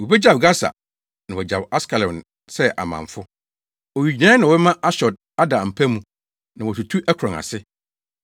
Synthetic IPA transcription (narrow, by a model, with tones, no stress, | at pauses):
wɔ˨bɛ˦d͡ʑa˨bɡa˦sa̰˨ | nã˨wɔ˨d͡ʑa˨ba˦skʰa˨lɔ˨n | sɛ˦ʔa̰˨mã̰˨ɱfʊ˦ | ɔ˨ɥi˨d͡ʑi˨nã˦nã˨˦mã˦ʔa˦ɕɔ˨d̚ | a˦dã˨m̩˨pʰæ˦mũ˨ | nã˨wɔ˨tu˨tʰu˦ʔɛ˦kʰɾɔ̃˨ŋa̰˨sɪ˦